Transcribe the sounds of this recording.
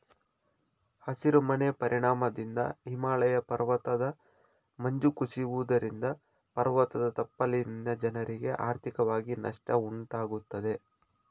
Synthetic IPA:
hɐsiɾumɐnepɐɾʔiɳaːmɐd̪ind̪ɐ̰ɦimaːlɐjɐpɐɾʋɐt̪ɐd̪ɐ | mɐɲd͡ʒukuʂiʋud̪ɐɾind̪ɐ | pɐɾʋɐt̪ɐd̪ɐt̪ɐpːɐlinnːɐd͡ʒɐnɐɾiɡe̞ʔaːɾt̪ʰikɐʋaːɡinɐ̰ʂʈɐuɳʈaːɡut̪ːɐd̪e̞

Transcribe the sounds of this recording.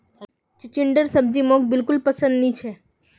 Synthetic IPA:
t͡ʃɪt͡ʃɪɳɖəɾsəb̚d͡ʒimok̚bɪlkʊlpəsə̃nd̪nit͡ʃʰe

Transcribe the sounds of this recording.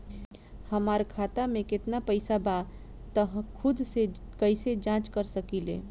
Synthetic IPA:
həmaːɾkʰaːt̪amẽkɪt̪napəɪsaba | t̪əɦkʰʊd̪se | kəised͡ʒãːt͡ʃkəɾsəkilḛː

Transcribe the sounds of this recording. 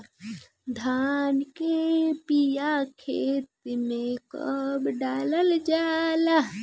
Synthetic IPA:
d̪ʱaːnkepijakʰeːt̪imẽkə̰bɖaːləld͡ʒaːla

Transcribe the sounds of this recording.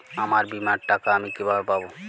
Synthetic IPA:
amaɾbimaɾʈakaamikibʱabepabo

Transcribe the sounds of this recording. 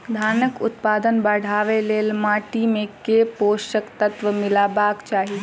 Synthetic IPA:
d̪ʱaːnəkʊt̪paːd̪ənbɐɽ̤ʱaːʋeleːlmaːʈimẽkeːpoːʃəkt̪ɐt̪ʋəmɪlaːbaːkt͡ʃaːɦi

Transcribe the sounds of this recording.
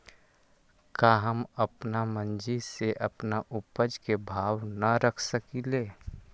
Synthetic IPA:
kaːɦəməpnamə̃nd͡ʒiseʔəpnaʔʊpəd͡ʒkebʱaːwnəɾəkʰsəkileː

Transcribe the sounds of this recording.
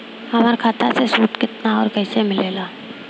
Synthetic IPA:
hɐmaːɾkʰaːt̪asesuːʈkɪt̪naɔ̰ːɾkɐɪsemɪleːlaː

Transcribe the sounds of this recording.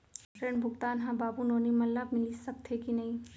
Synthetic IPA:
pɾẽɳbʱʊɡt̪aːnɦãbaːbunoːnimɐlːabmɪlisɐk̚t̪ʰekinɐɦĩ

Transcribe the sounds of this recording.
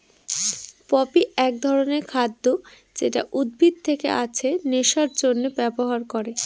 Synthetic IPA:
pɔpiɛk̚d̪ʱɔɾoneɾkʰad̪ːo | d͡ʑeʈa̰ʔud̪̚bʱid̪̚t̪ʰekḛʔat͡ɕʰeneʃaɾd͡ʑonːebɛboɦaɾkoɾe

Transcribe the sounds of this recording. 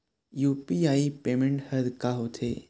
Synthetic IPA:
juːpiaːipeːmẽɳʈhɐd̪kaɦot̪ʰeː

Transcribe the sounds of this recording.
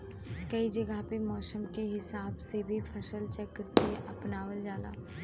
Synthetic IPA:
kɐid͡ʒɐɡəɦpemɔːsəmkeɦɪsaːbsebʱipʰɐʃəlt͡ʃɛkəɾkeʔɐpnaːwəld͡ʒaːla̰ː

